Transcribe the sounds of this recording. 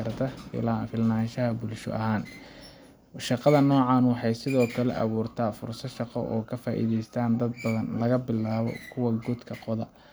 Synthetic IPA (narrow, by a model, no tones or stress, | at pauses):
ɐrt̪ʰɐfɪ̰lafɪlnaːnʃɐɦɐbʊlʃʊ̰ʔɐɦaːn | ʃɑqɑðɐnɔːʕɑːnwɑħɑjsɪðɔːkʰɐlɛ̰ʔɐ̰βuːrt̪ʰaːfʊrsɐʃɑqɔ̰ʔɔːkʰɐfaːʔḭːðɛjst̪ʰaːnd̪ɐd̪̚bɐðɐnlɐɣɐbɪlaːβɔ̰kʰʊwɑɡʊd̪kʰɐqɔðɐ